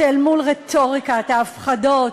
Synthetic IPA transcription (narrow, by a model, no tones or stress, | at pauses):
elmulʁet̪ʰoʁikat̪aːfχado̞t